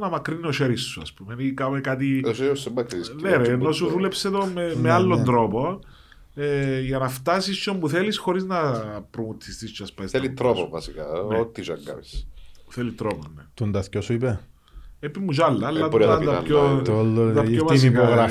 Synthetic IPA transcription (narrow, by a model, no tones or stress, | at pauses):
nɐmɐkɾinioʃeɾisːuɐspumenikɐmekat̪̬iʃeosomːɐkɾiisneɾenːosuðule̞pset̪omemealːond̪ɾopo | eʝɐnɐft̪ɐsist͡ʃombuθelisxo̞ɾiznɐpɾomut̪ʰːist̪ist͡ʃɐspɐisθelit̪ɾopovɐsikɐnot̪ːiʃɐ̰ɡɐ̰visθelit̪ɾoponnet̪ond̪ɐθcosuipe | epimːuʃɐlːɐlːɐt̪ɐnd̪ɐoolːoɐpomɐinipoɣɾɐ